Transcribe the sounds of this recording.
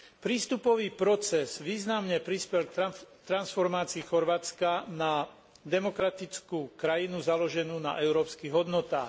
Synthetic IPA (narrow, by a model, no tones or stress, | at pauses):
pɾiːst̪upɔʋiːpɾɔt͡sɛz̥ʋiːznamɲɛpɾispɛlkt̪ɾansfɔɾmaːt͡siːxɔɾʋaːt͡skana | d̪ɛmɔkɾat̪it͡skuːkɾajinuzalɔʒɛnuːna̰ʔɛʊɾɔːpskiːɣɦɔd̪nɔt̪a̰ːx